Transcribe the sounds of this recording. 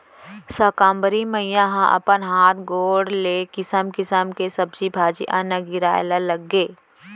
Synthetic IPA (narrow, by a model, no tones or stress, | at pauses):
səːkãːmbəɾiməɪjãɦãʔɐ̰pənɦaːt̪ʰɡoːɽleːkɪsəmkɪsəmkesɐbd͡ʒibʱaːd͡ʒiʔɐ̰̃nɐɡɪɾaːjlaləɡːeː